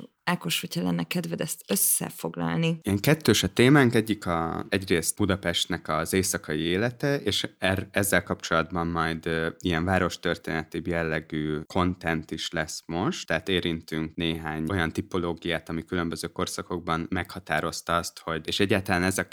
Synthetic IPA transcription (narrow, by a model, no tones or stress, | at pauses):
akoʃhocʰɛlɛnːɛkɛd̪vɛd̪ɛst̪øsːɛ̰fo̞ɡlɒ̰lniijɛŋkɛt̪ːøːʃɒt̪eːmaːŋkɛɟːikɒ̰ɛɟreːst̪b̥ud̪ɒpɛʃt̪nɛkɒzeːsɒkɒjieːlɛt̪ɛeːʃɛrɛzːɛlkɒpt͡ʃo̞lɒd̪bɒmːɒjd̪ijɛɱvaːɾo̞ʃt̪ø̞rt̪ḛːnɛt̪ibjɛlːɛɡyːkʰo̞nt̪ɛnt̪iʃlɛsmo̞ʃt̪ːɛɦaːt̪eːɾint̪yŋkneːɦaːɲojɒnt̪ipo̞loːɡijaːt̪ɒmikylø̞mbøzøːko̞rsɒko̞ɡ̚bɒnmɛkhɒt̪aːɾo̞st̪ɒɒst̪ho̞ɟeːʃɛɟːaːt̪ɒlaːnɛzɒ